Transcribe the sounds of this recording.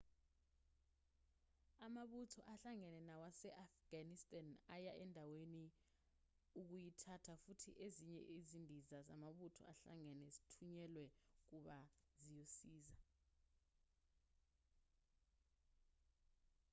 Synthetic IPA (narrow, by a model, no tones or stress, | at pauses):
amaɓutʰɔʔaɬaŋɛnɛnawasɛʔafɡ̥anistʼanajaʔɛndʱaweni | uk̬ujitʰatʰafutʰḭʔeziɲɛ̰ʔizindʱizaza̰maɓutʰɔ̰aɬa̰ŋɛnɛzitʰuɲɛlwɛk̬uɓazijosiːza